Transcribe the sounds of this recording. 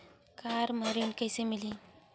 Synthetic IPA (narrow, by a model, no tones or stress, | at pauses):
kaːɾmɐɾinkəjsemili